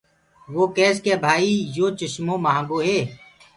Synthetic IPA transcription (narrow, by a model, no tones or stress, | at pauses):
ʋoːkɛːskeːbʱaːiːjoːt͡ʃəʃmõːmaɦãːɡoːɦeː